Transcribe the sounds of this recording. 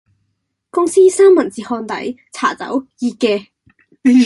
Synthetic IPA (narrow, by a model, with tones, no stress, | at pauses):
kʊ˥ŋsiː˥saː˥mːɐ˨˩nt͡siː˨˧hɔː˧nt̪ɐ̰˨˥j | t͡sʰa̰ː˨˩t͡sɐ̰˨˥wjiː˧kɛː˧